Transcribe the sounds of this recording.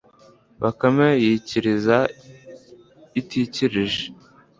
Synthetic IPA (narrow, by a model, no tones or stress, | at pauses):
βakamejiciɾiza | itʰiciɾiʒe